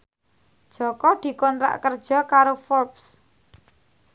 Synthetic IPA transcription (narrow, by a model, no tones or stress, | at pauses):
d̥ʒ̥ɔ̤kɔd̪̥i̤kɔnt̪ɾa̰ʔkərd̥ʒ̥ɔ̤kaɾofɔrps